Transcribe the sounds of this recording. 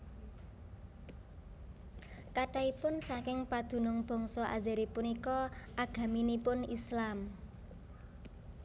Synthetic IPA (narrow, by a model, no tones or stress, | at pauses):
kaʈaipʊnsakɪŋpad̪̥ṳnʊŋb̥ɔ̤ŋsɔʔa̰zɛɾipunikɔʔaɡ̥a̤minipʊnislam